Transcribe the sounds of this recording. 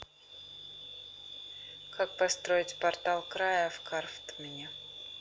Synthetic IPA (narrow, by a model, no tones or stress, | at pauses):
kʰak̚pɐst̪ɾo̞ɪtʲpɐrt̪alˠkɾajəfkʰarft̪mʲɪnʲɪ